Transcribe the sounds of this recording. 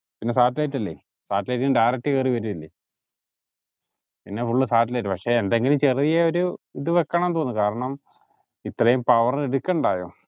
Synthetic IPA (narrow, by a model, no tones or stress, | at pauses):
pinːesaːʈːilɐjʈːɐlːḛ | saːʈːlɐjʈːiɨmɖajrɐk̚ʈːɨkeːriʋɐɾuilːḛ | pinːe̞fuɭːɨsaːʈ̬ːlɐjʈːɨpɐkʂe̞ːnd̪eŋɡilumt͡ɕeriðijeoɾuiðɨʋekːɐɳɐmnt̪o̞ːnːɨkaːɾɐɳɐm | it̪rɐjumpɐʋɐreɽukʲːɐɳɖaːjo̰ː